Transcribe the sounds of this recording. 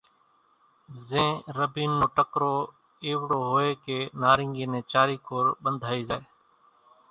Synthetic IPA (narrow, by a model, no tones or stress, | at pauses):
zẽːɾəbiːnːõːʈəkɾoː | eːʋɽoːɦoːeːkeːnaːɾɪŋɡĩːnẽːt͡ʃaːɾiːkoːɾɓənd̪ʱaːiːzaːeː